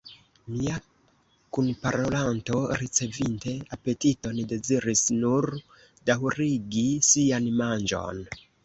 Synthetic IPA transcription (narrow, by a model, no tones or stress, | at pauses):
mia | kunpaɾo̞lanto̞ɾit͡se̞vinte̞ape̞tito̞nide̞ziɾisnuɾ | dawɾiɡisianmand͡ʒo̞̰n